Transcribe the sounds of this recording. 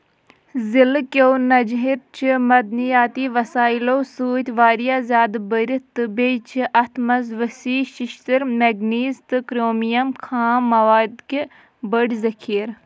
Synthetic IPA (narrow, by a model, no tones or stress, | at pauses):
zilkʲownɐd͡ʒɦiɾt͡ʃʰimɐd̪nijaːt̪iːʋɐsaːiloːsuːt̪ʲʋaːɾijaːzʲjaːd̪bəɾʲit̪ɨbeːt͡ʃʰiʔɐt̪ʰmɐzʋəsiːʃɪʃt̪əɾmeɡniːzt̪ɨkɾoːmijɐmkʰaːmːɐʋaːd̪ke | bəɽʲzɐkʰiːɾ